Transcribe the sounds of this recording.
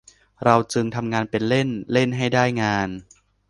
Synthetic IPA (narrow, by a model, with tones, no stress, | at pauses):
ɾa˧wt͡ɕɯ˧ŋt̪ʰa˧mŋaː˧npe˧nle˥˩nle˥˩nɦa˥˩jdaː˥˩jŋaː˧n